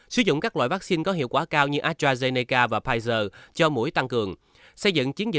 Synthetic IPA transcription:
sɨ˧˦zʊ̰˧˨ŋ͡mkaː˦˥k̚la̰ː˧˨jvaː˦˥k̚si˧nkɔ˨˦ɦḭ˧˨wkwaː˧˩kaː˧wɲɨ˧ʔaː˦˥t̚aː˧ze˧ni˧kaː˧vaː˨˩pʰaː˧jzəː˧t͡ɕɔ˧mṵ˧˥əjt̪a˧ŋkɨ˨˩əŋ | sə˧jzɨ̰˧˨ŋt͡ɕi˨˦ənzḭ˨

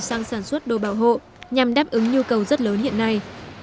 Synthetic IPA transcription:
saː˧ŋsaː˧˩nswə˦˥t̚ɗo˨˩ɓaː˧˩wɦo̰˧˨ | ɲa˨˩mɗaː˦˥p̚ʔɨ˨˦ŋɲu˧kə˨˩wzə˦˥t̚ləː˨˦nhḭ˧˨ənːa˧j

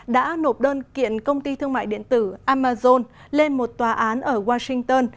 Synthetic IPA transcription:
ɗa̰ː˧˥no˨˩p̚ɗəː˧nkḭ˧˨ənkə˧wŋ͡mt̪i˧t̪ʰɨ˧əŋma̰ː˧˨jɗḭ˧˨ənt̪ɨ˧˩ʔaː˧maː˧zo˧n | le˧nmo˨˩t̚t̪waː˨˩ʔaː˨˦nʔəː˧˩ɣwaː˧sï˧ŋ̟t̪əː˧n

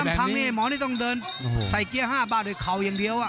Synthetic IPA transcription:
a˥˩˧pʰa˧ŋniː˧˩˨mɔː˨˦niː˥˩t̪ɔ˥˩ŋdɤː˧n | sa˨˩jki˧˩˧əɦaː˥˩baː˧˩t̪̚d̪oː˧˩jkʰa˨˩wja˨˧ŋdi˧əwʔa˨˩

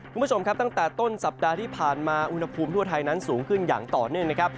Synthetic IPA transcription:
ku˧mbt͡ɕo˧mkʰa˦˥p̚t̪a˥˩ŋt̪ɛː˨˩t̪o˥˩nsa˨˩p̚daː˧t̪ʰiː˥˩pʰaː˨˩nmaː˧ʔu˧nha˧pʰuː˧mt̪ʰu˥˩ɐt̪ʰa˧jna˦˥nsuː˩˦ŋkʰɯ˥˩nja̰ː˨˩ŋt̪ɔː˨˩nɯ˥˩əŋna˦˥kʰɾa˦˥p̚

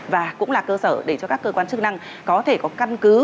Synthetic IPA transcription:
vaː˨˩kʊ̰˧˥ŋ͡mlaː˨˩kəː˧səː˧˩ɗe˧˩t͡ɕɔ˧kaː˦˥kːəː˧kwaː˧nt͡ɕɨ˦˥k̚na˧ŋ | kɔ˨˦t̪ʰe˧˩kɔ˨˦ka˧nkɨ˨˦

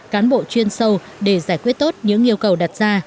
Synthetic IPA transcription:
kaː˨˦nɓo̰˧˨t͡ɕwi˧ənsə˧w | ɗe˧˩zaː˧˩jkwi˦˥ət̚t̪o˦˥t̚ɲɨ̰˧˥ŋʔi˧əwkə˨˩wɗa˨˩t̚z̥aː˧

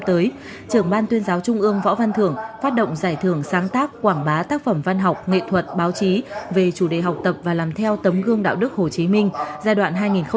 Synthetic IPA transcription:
t̪əː˨˦j | t͡ɕɨ˧˩əŋɓaː˧nt̪wi˧ənzaː˨˦wt͡ɕʊ˧ŋ͡mʔɨ˧əŋvɔ̰˧˥va˧nt̪ʰɨ˧˩əŋfaː˦˥t̚ɗo̰˧˨wŋ͡mzaː˧˩jt̪ʰɨ˧˩əŋsaː˨˦ŋt̪aː˦˥kkːwaː˧˩ŋɓaː˨˦t̪aː˦˥k̚fə˧˩mva˧nɦa˨˩wk͡p̚ŋḛ˧˨t̪ʰwə˨˩t̚ɓaː˨˦wt͡ɕi˨˦ve˨˩t͡ɕu˧˩ɗe˨˩ɦa˨˩wk͡p̚t̪ə˨˩p̚vaː˨˩laː˨˩mt̪ʰɛ˧wt̪ə˨˦mɣɨ˧əŋɗa̰ː˧˨wɗɨ˦˥k̚ho˨˩t͡ɕi˨˦mï˧ŋ̟zaː˧jɗwa̰ː˧˨nɦaː˧jŋi˨˩nxə˧

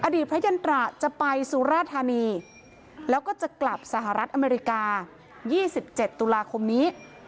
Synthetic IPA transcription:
ʔa˧diː˨˩t̪̚pʰa˦˥ja˧nt̪ɾaː˨˩t͡ɕa˨˩pa˧jsuː˧ɾaː˥˩t̪ʰːaː˧niː˧ | lɛː˦˥wkɔː˥˩t͡ɕa˨˩kla˨˩p̚sa˧˦ɦa˨˩ɾa˦˥t̪̚ʔa˧meː˧ɾi˧˥kaː˧ | jiː˥˩si˨˩p̚t͡ɕe˨˩t̪ːu˧laː˧kʰo˧mniː˦˥

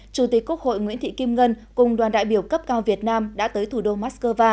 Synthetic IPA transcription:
t͡ɕu˧˩t̪i˨˩k̚ku˦˥ək̚ho̰˧˨jŋwḭ˧˥ət̪ʰḭ˧˨ki˧mŋə˧n | kʊ˨˩ŋ͡mɗwaː˨˩nɗa̰ː˧˨jɓi˧˩əwkə˦˥p̚kaː˧wvi˨˩ət̚naː˧mɗa̰ː˧˥t̪əː˨˦jt̪ʰu˨˧˩ɗo˧maː˦˥tskəː˧vaː˧

